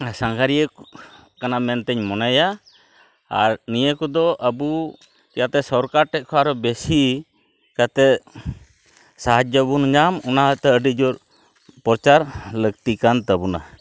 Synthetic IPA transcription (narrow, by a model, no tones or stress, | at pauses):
saŋɡʱaɾiə | kanamɛnt̪ɛɲmɔnaja | a̰ɾnijəkɔd̪ɔʔəbu | kɛjat̪ɛsɔɾkaɾʈɛʔ̚ˀkʰɔaɾɔbɛsi | kat̪ɛ | saɦad͡ʒ̚d͡ʒɔbunɲamɔnaɦət̪ɛəɖid͡ʒɔɾ | pɔɾt͡ʃaɾləɡt̪ikant̪əbuna̰